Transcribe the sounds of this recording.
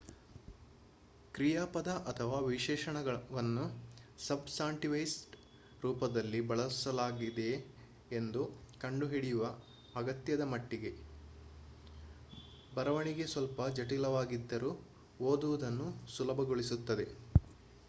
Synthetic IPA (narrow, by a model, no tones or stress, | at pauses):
kɾijaːpɐd̪ɐʔɐt̪ʰɐʋaːʋiʃɛːʃɐɳɐɡɐʋɐnːusɐbsaːɳʈiʋɐjsʈ | ɾuːpɐd̪ɐlːibɐɭɐsɐlaːɡid̪e̞ː | nd̪ukɐɳɖuɦiɽijuʋɐː | ɡɐt̪jɐd̪ɐmɐʈːiɡe̞ | bɐɾɐʋɐɳiɡe̞sʋɐlpɐd͡ʒɐʈilɐʋaːɡid̪ːɐɾuː | oːd̪uʋud̪ɐnːusulɐbʱɐɡoɭisut̪ːɐd̪e̞